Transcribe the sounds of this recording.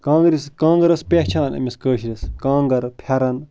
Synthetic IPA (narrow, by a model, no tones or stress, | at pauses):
kãːŋɡɾiskãːŋɡɐɾɐspʲeht͡ʃʰaːnɐ̰mʲiskəːʃɾʲiskãːŋɡɐɾpʰjɐɾɐn